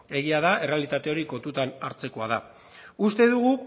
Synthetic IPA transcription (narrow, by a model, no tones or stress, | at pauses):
e̞ɣiaðae̞realit̪at̪e̞o̞ɾiko̞nt̪ut̪anaɾt͡se̞ko̞að̞a | ust̪e̞ðuɣu